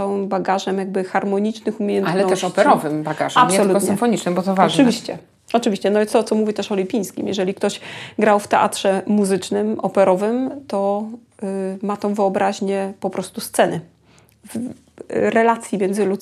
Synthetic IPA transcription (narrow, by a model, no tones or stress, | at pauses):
awɘmbaɡaʐɛmjaɡ̚bɘxaɾmɔɲit͡ʂnɘxumʲeɲɛnalɛt̪ɛʂɔpɛɾɔvɘmbaɡaʐampsjsɔlutɔsɲɪmfɔɲit͡ʂnɛmbɔt̪ɔvanɨvʲiɕt͡ɕɛ̰ | ɔt͡ʂɨvʲiɕt͡ɕɛnɔjɛt̪st̪ɔt̪sɔmuvʲit̪ɛʂɔlʲipʲij̃skʲḭmjɛ̰ʐɛlʲikt̪ɔɕɡɾawft̪ɛʔa̰t̪ʂɛmuzɘt͡ʂnɘmʔɔpɛɾɔvɘmt̪ɔ | mat̪ɔ̃w̃vɘɔbɾʔaʑɲɛpɔpɾɔst̪ust̪sɛnɘ | v | ɾɛlat̪sʲjimʲjɛnzɘlut̪